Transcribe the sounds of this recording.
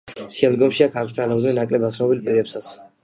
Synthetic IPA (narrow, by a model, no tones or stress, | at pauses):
ʃɛmd̪ɡɔmʃiakʰaɡɾt̪sʼʰalabd̪nɛnːakʼlɛbat̪sʰnɔbilpʼiɾɛpsat̪sʰ